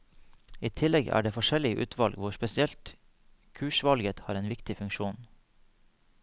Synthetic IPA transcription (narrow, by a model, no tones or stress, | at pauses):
iːt̪ʰɪlɛɡæ̰ːɖeːfɔʃɛlɪʔʉ̰ːt̪ʰʋɑlɡʋʊʃpɛsɪɛlt̪ | kʰʉːʃʋɑlɡət̪hɑ̰ːɾeːnʋɪkt̪ɪfʉŋkʃuːn